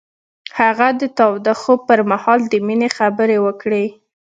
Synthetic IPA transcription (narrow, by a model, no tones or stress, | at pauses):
haɣad̪ət̪awd̪axopəɾmahɑld̪əminexabəɾewəkɽe